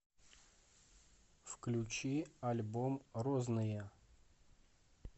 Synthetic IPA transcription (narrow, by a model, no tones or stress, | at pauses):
fklʲut͡ɕialʲbomroznɨjə